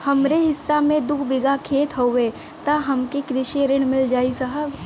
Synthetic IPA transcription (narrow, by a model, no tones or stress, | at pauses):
hɐmɾeɦɪsːamẽd̪ʊkʰbɪɡakʰeːt̪ɦoːʋe | t̪aɦɐmkekɾɪʃiɾɪɽ̃mɪld͡ʒaːisɐɦəb